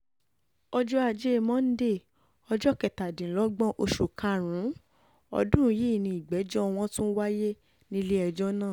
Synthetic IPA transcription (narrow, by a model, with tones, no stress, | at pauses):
ɔ˧d͡ʒɔ˦a˧d͡ʒe˦˧mɔ̃˦n̩˦de˦˨ | ɔ˧d͡ʒɔ˦˨kɛ˨ta˨dĩ˨lɔ˦ɡ͡bɔ̃˦ʔo˧ʃu˨kã˧ɾ̃ũ˨˦ | ɔ̰˧dũ˦ji˦i˦˨nĩ˧˨i˨ɡ͡bɛ˨˦d͡ʒɔ˦˧w̃ɔ̃˦tũ˦n̩˦wa˦je˦ | nĩ˦le˦ɛ˧d͡ʒɔ˦nãː˦˨